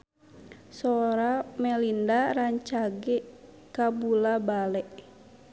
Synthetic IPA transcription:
sɔɾamɛlindaɾaɲt͡ʃaɡɛ | kabulabalɛʔ

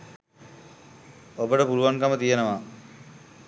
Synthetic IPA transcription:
obəʈəpuluʋaŋkamət̪ijenəʋaː

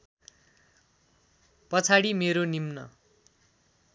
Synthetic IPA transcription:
pʌt͡sʰaɽimeɾonimnʌ̰

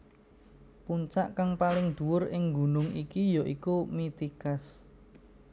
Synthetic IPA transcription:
puɲt͡ʃaʔkaŋpalɪŋd̪̥ṳwʊrɪŋɡṳnʊŋikijɔʔikumit̪ikas

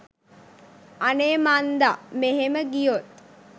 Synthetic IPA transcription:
aneːmand̪ameɦeməɡijot̪̚

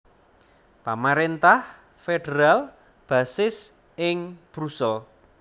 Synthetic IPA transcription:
pamaɾint̪ah | feɖ̥eɾal | b̥ä̤sɪs | ɪŋb̥ɾusəl

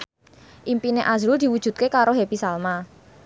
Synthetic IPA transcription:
ʔimpineʔazɾʊld̪̥i̤wud̥ʒ̥ṳt̪̚kekaɾoɦepisalma

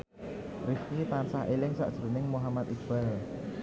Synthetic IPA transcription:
rifkit̪ansahʔelɪŋsa̰ʔʒ̥əɾunɪŋmuɦamat̪̚ʔikbɛl

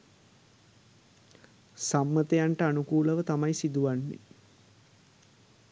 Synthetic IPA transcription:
samːət̪ejaɳʈəanukuːləʋət̪amajsid̪uʋanːḛ

